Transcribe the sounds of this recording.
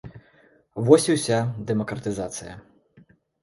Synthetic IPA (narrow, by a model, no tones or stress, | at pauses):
vɔsʲiwsʲad̪ɛmɐkɾɐt̪ɨzat̪sɨjɐ̰